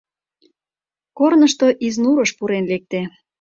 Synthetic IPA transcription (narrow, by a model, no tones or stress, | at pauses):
kornəʃt̪oʔiznuɾəʃpuɾenlek̚t̪e